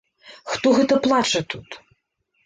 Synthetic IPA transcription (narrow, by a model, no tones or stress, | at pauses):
xt̪ɔɣɛt̪ɐplˠat͡ʂɨt̪ut̪